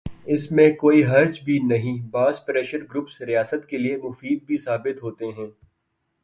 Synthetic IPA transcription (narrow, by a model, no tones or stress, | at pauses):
ɪsmẽkoːiɦɐɾd͡ʒbʱinɐɦĩbaːzpɾɛːʃəɾɡɾʊpsɾijaːsət̪keliemʊfiːd̪̚bʱisaːbɪt̪ɦoːt̪eɦɛ̃ː